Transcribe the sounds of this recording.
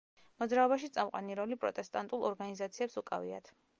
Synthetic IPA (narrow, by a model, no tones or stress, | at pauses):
mɔd̪zɾaɔbaʃit̪sʼamqʼwa̰niɾɔlipʼɾɔ̰t̪ʼɛst̪ʼant̪ʼulˠɔɾɡanizat̪sʰiɛpsukʼa̰vḭa̰t̪ʰ